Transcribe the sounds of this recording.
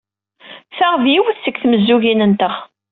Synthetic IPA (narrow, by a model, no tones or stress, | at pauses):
θaʁvjiwəθθəkθməzːuʝinənt̪əχ